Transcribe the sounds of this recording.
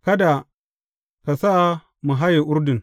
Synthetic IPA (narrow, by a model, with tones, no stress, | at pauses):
ka˦da˨ | ka˨sa˦ | mu˨ɦa˦ji˨ʔʊ˦ɾdu˨n